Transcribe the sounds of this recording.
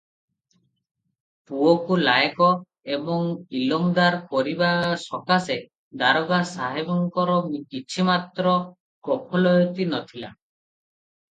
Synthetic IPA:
puɔkulajkɔ | ebɔŋilɔŋd̪aɾpɔɾibasɔkase | d̪aɾɔɡasaɦebɔŋkɔɾɔmkit͡ʃʰimat̪ɾɔ | ɡ̥ɔpʰɔlɔjɔt̪inɔt̪ʰila̰

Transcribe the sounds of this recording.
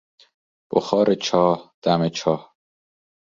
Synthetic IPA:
b̥o̰xɒːɾet͡ʃʰɒːhd̪̥æmet͡ʃʰɒːh

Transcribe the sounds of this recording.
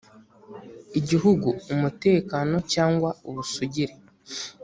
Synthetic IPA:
iɟiɦuɡuːmute̞ːkano̞caːŋɡwauβusuɟiɾe

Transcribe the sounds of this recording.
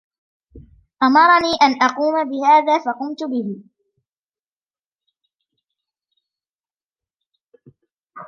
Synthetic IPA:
ʔamɑɾˤɑniːʔanʔɑquːmabɪhaːðaːfɑqʊmt̪ʊbɪhɪ

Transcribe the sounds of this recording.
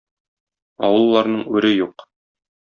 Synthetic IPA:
ɒwɤ̆lˠːɑɾnɤɴʉɾɘjuq

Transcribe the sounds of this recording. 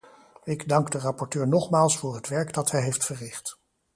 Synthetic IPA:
ɪɡdɑŋɡdərɑpɔɹtøːɹnɔχmaːlˠsfʊːɹɦətʋɛɹɡdɑtɦɛjɦejftfərɪχt

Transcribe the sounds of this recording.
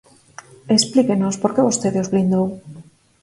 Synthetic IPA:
esplikenospoɾkeβost̪eðozβlind̪ow

